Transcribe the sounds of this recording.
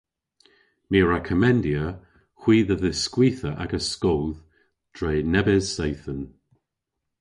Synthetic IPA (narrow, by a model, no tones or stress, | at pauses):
miːɹɛkʰəmɛndjə | xw̥iːðəðəskwiːθəʔa̰ɡəskɔlˠð | d̥ɹeːnɛbɪzsejθən